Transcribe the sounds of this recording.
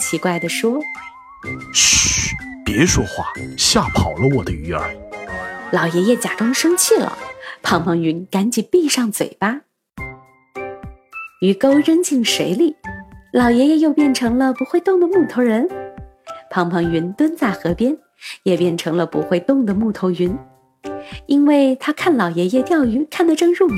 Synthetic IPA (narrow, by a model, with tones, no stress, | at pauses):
t͡ɕʰi˧˥kwa˥˩ɪd̪ə˩ʂwɔ˥ | pjɛ˧˥ʂwɔ˥xwa̰˥˩ɕja˥˩pʰɑ˨˩ʊlə˦wɔ˨˩d̪ə˦y˧˥ə̰˞˧˥˦ | lɑ˨˩ʊjɛ˧˥jɛ˥˩t͡ɕja˨˩ʈ͡ʂʊ˥ŋʂɤ˥ŋt͡ɕʰi˥˩lə̰˩pʰɑ˧˥ŋpʰɑ˧˥ŋy˧˥nka˧˥nt͡ɕi˨˩pi˥˧ʂɑ˥˩ŋt͡swḛ˨˩ɪpa˥ | y˧˥ko˥ʊɻə˥nt͡ɕi˥˩nʂe˧˥ɪli˥˩lɑ˨˩ʊjɛ˧˥jɛ˥˧jo˥˧ʊpjɛ˥˩nʈ͡ʂʰɤ˧˥ŋlə˧pu˧˥xwe˥˧ɪt̪ʊ˥˩ŋd̪ə˨˩mu˥˩t̪ʰo˧˥ʊɻə˧˥n | pʰɑ˧˥ŋpʰɑ˧˥ŋɥy˧˥nt̪wə˥nt͡sa˥˩ɪxɤ˧˥pjɛ˥n | jɛ˨˩pjɛ˥˩nʈ͡ʂʰɤ˧˥ŋlə˧pṵ˧˥xwe˥˧ɪt̪ʊ˥˩ŋd̪ə˩mu˥˩t̪ʰo˧˥ʊy˧˥n | i˥nwe˥˩ɪt̪ʰa˥kʰa˥˩nlɑ˨˩ʊjɛ˧˥jɛ˥˧t̪jɑ˥˩ʊy˧˥kʰa˥˩nd̪ə˨˩ʈ͡ʂɤ˥˧ŋɻu˥˩